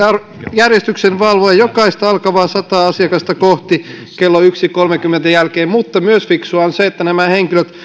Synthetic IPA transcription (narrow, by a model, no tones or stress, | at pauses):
ɑr | jærjest̪yksenʋɑlʋoɑjokɑist̪ɑɑlkɑʋɑːsɑt̪ɑːɑsiɑkɑst̪ɑkoht̪ikelːoyksikolmekymːent̪æjælkeːmmut̪ːɑmyøsfiksuɑnseet̪ːænæmæheŋkiløt̪